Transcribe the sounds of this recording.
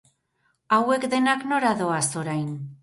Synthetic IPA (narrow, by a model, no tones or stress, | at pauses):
awe̞kd̪e̞nakno̞ɾaðo̞aso̞ɾajn